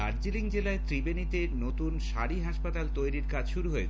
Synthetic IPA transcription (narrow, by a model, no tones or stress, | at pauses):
aɾd͡ʑiliŋd͡ʑelaet̪ɾibenit̪enot̪unʃaɽiɦaʃpat̪alt̪ojɾiɾkad͡ʑʃuɾuɦoe